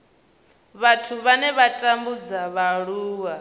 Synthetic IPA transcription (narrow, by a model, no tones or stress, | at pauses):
βatʰuβanɛβatʼambud͡zaβaɺuːwa